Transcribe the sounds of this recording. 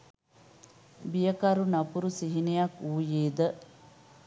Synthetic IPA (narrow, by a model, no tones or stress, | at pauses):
bijəkɐɾunɐpuɾusiɦinejakuːjeːd̪ə